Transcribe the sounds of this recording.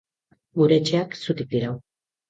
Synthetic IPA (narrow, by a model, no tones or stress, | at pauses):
muɾet͡ʃeaksut̪ik̚t̪iɾaw